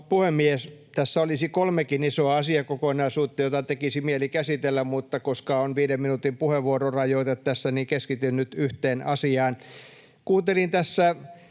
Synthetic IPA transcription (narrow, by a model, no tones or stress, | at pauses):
puhemːiest̪æsːæolisikolmekinisoɑɑsiɑkokonɑisuːt̪ːɑjot̪ɑt̪ekisimielikæsit̪elːæmmut̪ːɑkoskɑonʋiːdeminut̪impuheʋʋuororɑjoit̪ɑt̪t̪æsːænikeskit̪ynnyt̪yht̪eːnɑsiɑːn | kuːnt̪elint̪æsːæ